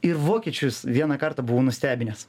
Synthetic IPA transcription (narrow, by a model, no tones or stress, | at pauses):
ɪɾʋoːkʲiɛt͡ʃʲʊjʊsʋʲiɛnɐkɐɾt̪ɑbuʋoːnʊsʲt̪ʲæːbʲɪnʲes